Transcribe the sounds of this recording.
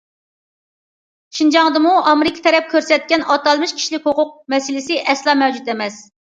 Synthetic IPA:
ʃind͡ʒɑŋd̪ɨmuʔɑmeɾɪkʰʲi̥t̪ʰɛɾɛp̚kʲʰøɾsɛt̪̚kʲɛnɑt̪ɑlˠmɨʃkʲʰi̥ʃlɪkʲhoqʰʊq̚mɛsɪlɪsɪʔɛslˠɑːmɛwd͡ʒut̪ɛmɛs

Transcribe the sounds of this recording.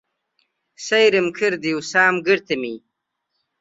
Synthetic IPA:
sɐjɾimkʰiɾd̪iwsaːmɡiɾt̪ɐmiː

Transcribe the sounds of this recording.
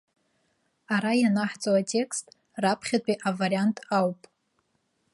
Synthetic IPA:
aɾajanaħt͡sʼowatʼe̞kʰstʼ | rapʰχʲatʷʼiʔavaɾijantʼawpʼ

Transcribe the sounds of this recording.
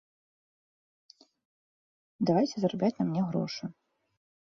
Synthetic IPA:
d̪avajt͡sʲɛzɐɾabʲat͡sʲnɐmnʲɛɣɾɔ̰ʂɨ

